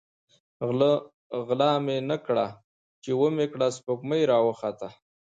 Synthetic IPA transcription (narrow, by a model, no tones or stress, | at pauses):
ɣlɑmenəkɽa | t͡ʃewəmekɽaspokməjɾɑwəxat̪a